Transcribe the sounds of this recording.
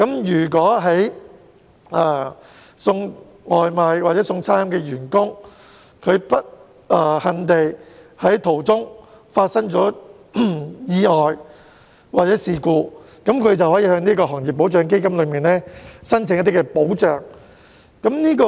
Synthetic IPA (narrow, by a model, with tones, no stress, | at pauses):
kɐ˨˥mjyː˨˩k̬wɔː˨˥ɦɐ˨˥j | ɛː˨˩ | sʊ˧ŋ | ŋɔː˨jmaː˨˧jwaː˨˩t͡sɛ˨˥sʊ˧ŋt͡sʰaː˥jɐ˧mkɛː˧jyː˨˩nkʊ˥ŋ | kʰɵ˨˧ɥpɐ˥t̚ | ɛː˧hɐ˨˧nt̪e˨jhɐ˨˥jt̪ʰo˨˩wt͡sʊ˥ŋ | faː˧t̚sɐ˥ŋt͡sɔː˨˥ | jiː˨˧ŋɔː˨j | waː˨t̚t͡sɛː˨˥siː˨kuː˧ | kɐ˨˥mkʰɵ˨˧ɥt͡sɐ˨whɔː˨˥jiː˧hœ˨˧˥ŋniː˥kɔː˧ɦɔː˨˩ŋjiː˨pːo˨˥wt͡sœː˨˧ŋke˥jkɐ˥mlɵ˨˧ɥmiː˨˩nlɛː˥sɐ˥nt͡sʰɪ˨ŋɐ˥t̪̬i˥kɛ˧po˨˥wt͡ʃœː˨˧ŋ | kɐ˨˥mniː˥kɔː˧